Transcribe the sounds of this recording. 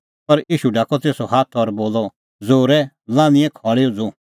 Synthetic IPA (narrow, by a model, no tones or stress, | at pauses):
pɐɾiːʃuɖaːkɔt̪eːsɔhaːt̪ʰɔːɾboːlɔ | d͡zoːɾɛ | lãːnɪ̃ɛ̃kʰɔːɭeɔd͡zõ